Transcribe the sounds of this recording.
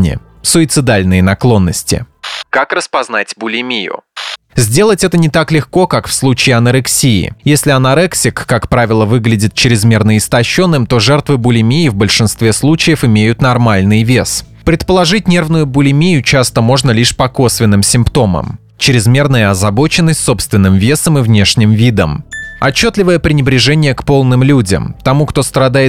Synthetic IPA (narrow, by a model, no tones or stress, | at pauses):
nʲɪ̰ | sʊɪt̪sɨd̪alʲnɨjənɐklˠo̞nːəsʲtʲɪ̰ | kakrəspɐznatʲbʊlʲɪmʲijʊ̰ | zʲdʲe̞lˠətʲɛt̪ənʲɪt̪aklʲɪxko̞kakfslˠut͡ɕɪːɐnəɾɨksʲiɪ̰jesʲlʲɪɐnɐɾɛksʲɪkːakpɾavʲɪlˠəvɨɡlʲɪdʲɪt̪̚t͡ɕɪɾʲɪzmʲe̞rnəɪst̪ɐɕːo̞nːɨmt̪o̞ʐɛrt̪vɨbʊlʲɪmʲijɪvbəlʲʂɨnst̪vʲe̞slˠut͡ɕɪjəfɪmʲejʊt̪nɐrmalʲnɨjvʲes | pɾʲɪt̪pəlˠɐʐɨt̚ʲnʲe̞rvnʊjʊbʊlʲɪmʲejʊt͡ɕast̪əmo̞ʐnəlʲiʂpɐko̞svʲɪnːɨmsʲɪmpt̪o̞mə̰m | t͡ɕɪɾʲɪzmʲe̞rnəjəɐzɐbo̞t͡ɕɪnːəsʲtʲso̞pst̪vʲɪnːɨmvʲe̞səmɨvnʲe̞ʂnʲɪmvʲid̪ə̰mɐt͡ɕːo̞t̪lʲɪvəjəpɾʲɪnʲɪbɾʲɪʐɛnʲɪjəkpo̞lˠnɨmlʲudʲə̰mt̪ɐmukt̪o̞st̪ɾɐd̪ajɪ